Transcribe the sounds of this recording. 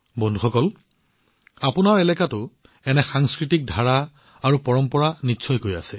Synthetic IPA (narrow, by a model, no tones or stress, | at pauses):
bɔndʱuxɔkɔl | apʊnaɹɛlɛkatʊ | ɛnɛxaŋskɹitik̚dʱaɹa | aɹupɔɹɔmpɔɹanisʰɔjkoja̰sɛ